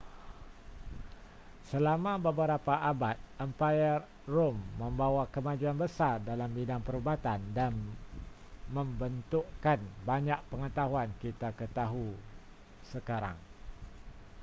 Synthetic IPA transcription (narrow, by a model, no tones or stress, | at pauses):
səlamãbəbəɾapaʔabat̪̚əmpajər | romːə̃mbawakəmãd͡ʒuanbəsardalambidaŋpəɾubat̪andan | mə̃mbənt̪uʔkanbaɲaʔ̚pəŋət̪aɦuankit̪akət̪aɦu | səkaɾa̰ŋ